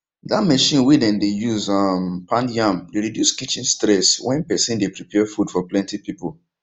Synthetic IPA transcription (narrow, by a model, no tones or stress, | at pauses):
dat̚məʃĩnwidɛ̃ndejuzampʰãndjãmdeɹidjuskit͡ʃĩnstɹɛswɛ̃npɛsĩndepɹipʰɛfud̥fɔplɛ̃ntipipəlˠ